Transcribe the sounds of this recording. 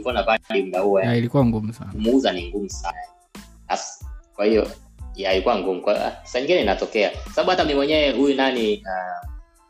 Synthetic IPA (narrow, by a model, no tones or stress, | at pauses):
ikɔnavaɗim̩ɗahuailikuwaŋɡumusanmuuzaniŋɡumusana | askwahijɔ̰ | alikuwaŋɡumukwaḭa̰̥saɲiŋɡinɛinatɔkɛakwsaɓaɓuhatamimwɛɲɛɛhujunania